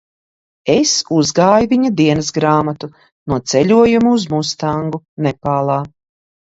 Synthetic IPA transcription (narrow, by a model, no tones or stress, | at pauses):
esuzɡaːjuvʲiɲad̪iɛnɐsɡɾaːmat̪u | nuɔt̪sɛʎʲuɔjumuːzmust̪aŋɡunɛpaːlˠaː